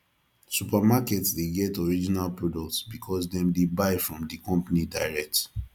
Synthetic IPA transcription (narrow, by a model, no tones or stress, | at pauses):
supamakɛtsdeɡɛtɔɹid͡ʒinalpɹɔdɔk̚tsbikʰɔsdɛ̃mdebaɪfɹɔ̃mdikɔ̃mpanidaɪɹɛk̚t